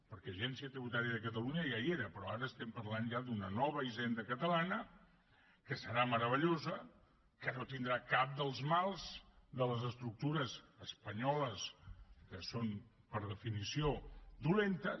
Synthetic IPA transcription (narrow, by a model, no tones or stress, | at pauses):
pəɾkɛʒɛnsiət̪ɾiβut̪aɾiəðəkət̪əluɲəjaieɾəpɾɔaɾəːst̪ɛmpəɾlanʒad̪unənɔβ̞əiʒɛnd̪əkət̪əlanə | kəsəɾaməɾəβəʎozə | kənot̪ind̪ɾakap̚d̪əlˠzmalˠzd̪ələzəst̪ɾuk̚t̪uɾəzəspəɲɔləskəson | pəɾðəfinisiod̪ulent̪ə